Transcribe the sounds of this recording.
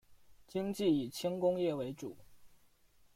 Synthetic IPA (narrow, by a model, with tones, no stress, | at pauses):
t͡ɕi˥ŋt͡ɕi˥˩i˨˩t͡ɕʰi˥ŋkʊ˥ŋjɛ˥˩we˧˥ɪʈ͡ʂṵ˨˩˦